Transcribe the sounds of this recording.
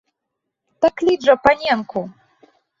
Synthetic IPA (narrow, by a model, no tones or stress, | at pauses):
t̪aklʲiʐɐpanʲɛnku